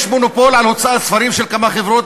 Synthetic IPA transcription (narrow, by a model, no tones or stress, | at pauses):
ʃmonopolʕalhot͡saʔasfaɾimʃelkamaχevɾot̪